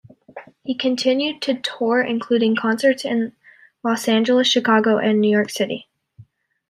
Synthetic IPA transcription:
hikʰɨ̃ntʰɪ̃njʉd̚tʰɨtʰɔɹɪ̰̃nkʰl̥ʉɾɪ̃ŋkʰɑ̃nsə˞tsɪ̃n | lɔsæ̃nd͡ʒəl̩ˠəsʃɨkʰɑɡoʊʔɨ̃nːʉjɔɹksɪɾḭ

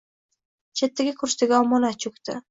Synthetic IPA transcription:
t͡ʃʰet̪ʰːɪɡʲakʰʊɾʃt̪ɪɡʲaɒmɒnat͡ʃʰʊkt̪ɪ̰

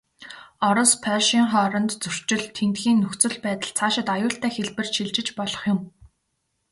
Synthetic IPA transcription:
ɔɾɞ̆spʰœrʃiːŋχɔːɾɞ̆nt̪t͡sɵr̥t͡ɕɪ̆ɮt̪ʰːent̪xiːnːɵxt͡sɵ̆ɮpæːt̪ə̆ɮt͡sʰaːʃɪ̆t̪ajʊːɬt̪æːxeɮpɘ̆rʃiɮt͡ɕɪ̆t͡ɕpɔɮɞ̥̆χjʊm

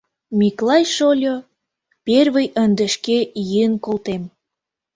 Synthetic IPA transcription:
miklɑjʃolʲo | perβəjənd̪əʃkejiənkolt̪em

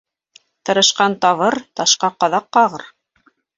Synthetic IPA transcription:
t̪ɤ̆ɾɤ̆ʃqɑnt̪ɑβɤɾt̪ɑʃqɑqɑðɑqːɑʁɤɾ

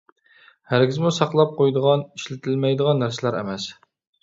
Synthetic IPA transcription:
hæɾɡʲizmusɑqlˠɑp̚qʰojd̪əʁɑniʃlɪt̪ʰɪlmɛjd̪əʁɑnːæɾsɪlæɾɛ̰mɛs

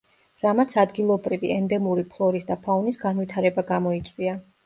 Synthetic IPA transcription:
ɾamat̪sʰad̪ɡilˠɔbɾiviɛnd̪ɛmuɾipʰlˠɔɾisd̪apʰanisɡanvit̪ʰaɾɛbaɡamɔit̪sʼwia

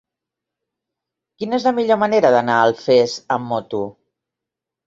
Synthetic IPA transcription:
kinəezləmiʎoməneɾəðənaəlˠfezəmːɔt̪u

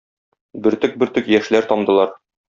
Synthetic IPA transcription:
bɘ̆ɾt̪ɘk̚bɘ̆ɾt̪ɵkjæʃlæɾt̪ɒmd̪ɤ̆lˠɑɾ

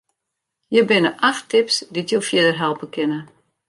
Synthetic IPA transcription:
jəbɪnəʔaxtʰɪpsditjofjɪdərɦɛlˠpəkʰɪnə

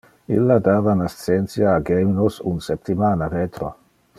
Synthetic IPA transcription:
ḭlːad̪aːvanast̪sent̪sjaːɡeminosṵnsep̚t̪imaːnavet̪ɾo̰

